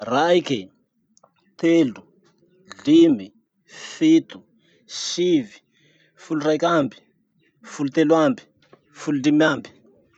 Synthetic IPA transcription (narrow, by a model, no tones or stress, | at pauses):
rajke | t̪elu | ɮimi | fit̪u̥ | ʃivi | fulurajkambi̥ | fulut̪elwambi̥ | fuludimiambi̥